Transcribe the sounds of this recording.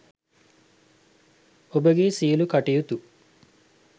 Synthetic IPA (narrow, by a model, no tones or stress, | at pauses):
obəɡeːsiəlukaʈijut̪u